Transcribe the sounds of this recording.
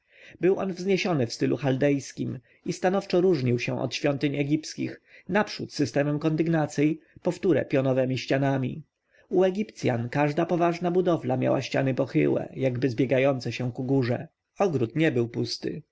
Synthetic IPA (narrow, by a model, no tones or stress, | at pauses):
bɘwʔɔnvzɲeɕɔnɘfst̪ɘlʔṵxald̪ɛjskʲim | ist̪anɔft͡ʂɔɾuʐɲiwɕɛ̃ʔɔ̰t̪ɕfʲjɔnt̪ɘɲɛɡʲipskʲixnapʂut̪sɘst̪ɛmɛmkɔnd̪ɘɡnat̪sʲjɛjpɔft̪uɾɛ̰pʲjɔnɔvɛmʲiɕt͡ɕanamʲḭ | uɛɡʲipt̪sʲja̰nkaʐd̪apɔvaʐnabud̪ɔvlamʲja̰wa̰ɕt͡ɕanɘpɔxɘ̰wɛ̰jaɡbɘzbʲjɛɡajɔnt̪sɛɕɛ̃kuɡuʐɛ̰ | ɔɡɾut̪ɲɛbɘwpust̪ɘ̰